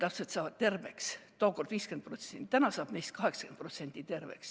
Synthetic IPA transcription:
t̪æpset̪sɑːvɑd̪̥̚t̪e̞rve̞kst̪oːko̞rd̪viːske̞nd̪̚prot̪sent̪ænɑsɑːb̥nejst̪̚kɑɦe̞ksɑ̥ken̥̚pro̞t̪se̞nʲt̪it̪e̞rvḛks

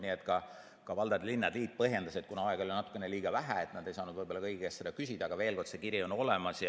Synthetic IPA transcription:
niet̪kɑ | kɑvɑld̪̥ɑd̪linːɑd̪̥liːd̪̥̚pɤɦje̞nd̪ɑse̞t̪̚ːkunɑɑeɡ̥olʲjnɑt̪ːˑu̥kːˑeneliːɡ̥ɑvæɦæet̪ˑnɑd̪ejsɑːnud̪vɤjb̥olɑkɤjɡiɡest̪sed̪ɑkysid̪ɑːɡɑve̞ːlko̞rd̪̥se̞kiɾiono̞lemɑsjɑ

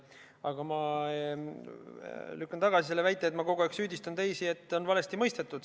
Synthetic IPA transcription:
ɑɡ̥ɑmɑ | lykːɑnt̪ɑɡ̥ɑsiselːevæjt̪ːˑe̞et̪mɑko̞ɡueksyːd̪ist̪ɑnt̪e̞jsie̞t̪ˑːo̞nvɑle̞st̪imɤjst̪e̞t̪ːˑud̪̥

